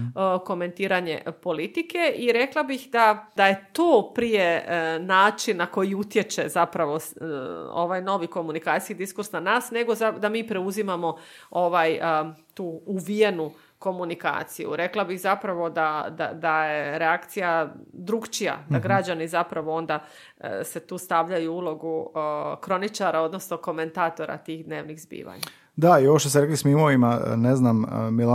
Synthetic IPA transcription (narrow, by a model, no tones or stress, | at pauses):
ko̞me̞nt̪iːɾaɲe̞̰po̞lit̪ike̞ʔiɾe̞klˠabixd̪ad̪aje̞t̪oːpɾijenaːt͡ʃinnako̞jiut̪je̞t͡ʃe̞̰zapɾaʋo̞s | o̰ʋajno̞ʋiko̞munikaːt̪i̥skid̪iskuɾsnanaːsne̞ɡo̞zad̪amiːpɾe̞uzimamo̞o̞ʋajt̪uːuʋijenu | ko̞munika̰ːt̪sijṵɾe̞klˠabixzapɾaʋo̞d̪ad̪a̰d̪ajeɾeakt̪sijad̪ɾukt͡ʃija̰d̪aɡɾad͡ʑanizapɾaʋo̞o̞nd̪a̰ | se̞t̪uːst̪aʋʎajuulˠo̞ɡukɾo̞nit͡ʃaɾao̞d̪no̞sno̞ko̞me̞nt̪aːt̪o̞ɾa̰t̪iːxd̪ne̞ːʋnixzbḭːʋa̰ɲa | d̪aioʋoʃt̪oseɾeklismimoʋimaneznammila